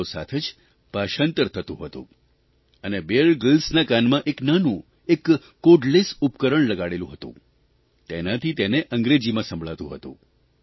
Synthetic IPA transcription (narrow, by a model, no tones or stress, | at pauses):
osa̰t̪ʰed͡ʒ | paʃant̪əɾt̪ʰət̪ṵ̃ɦət̪ṵ̃ | ənebeɭɡəlsnakanmãʔeknanũ | ekː | oɖlesupkəɾəɳləɡaɽelũɦət̪ṵ̃ | t̪enat̪ʰit̪eneʔəŋɡɾed͡ʒimãsə̃mbʱɭat̪ṵ̃ɦət̪ṵ̃